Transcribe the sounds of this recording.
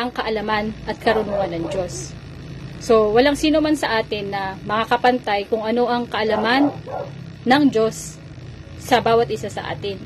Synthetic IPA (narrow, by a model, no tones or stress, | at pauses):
ʔɐŋkɐʔɐlɐmanʔɐt̪̚kɐɾʊnuːŋɐnːɐŋd͡ʒo̞sː | o̞wɐlaŋsiːno̞mansɐʔaːt̪ɪnːɐmɐŋɐkɐpɐnt̪ajkʊŋɐno̞ʔɐŋkɐʔɐlɐmanː | ɐŋd͡ʒo̞sː | ɐbaːwɐt̪̚ʔɪsasɐ̰ʔa̰ːt̪ɪn